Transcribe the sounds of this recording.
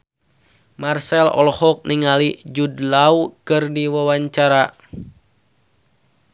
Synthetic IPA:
marsɛlɔ̰lɔhɔk̚niŋalid͡ʒudlaukɨrdiwawaɲt͡ʃaɾa

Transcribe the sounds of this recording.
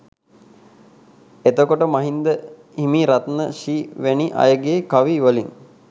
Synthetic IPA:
et̪okoʈəmaɦind̪ə | himiɾat̪nəʃiːʋeniʔa̰jəɡeːkaʋiʋəliŋ

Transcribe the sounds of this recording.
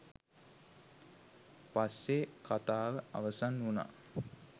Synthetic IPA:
pasːekat̪aːʋəa̰ʋəsanuna̰

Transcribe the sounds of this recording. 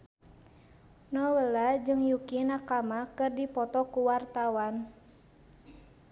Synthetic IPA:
nɔwəlad͡ʒɨŋjukinakamakɨrdipɔt̪ɔkuwart̪awan

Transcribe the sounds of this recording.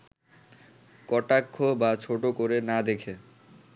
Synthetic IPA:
kɔʈakʰːobat͡ɕʰoʈokoɾenad̪ekʰe

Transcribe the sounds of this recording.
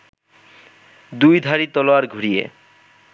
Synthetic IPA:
d̪ujd̪ʱaɾit̪ɔlowaɾɡʱuɾijḛ

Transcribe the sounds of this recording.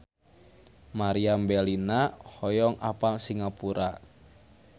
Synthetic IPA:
maɾiambɛlinahɔjɔŋʔapalsiŋapuɾa

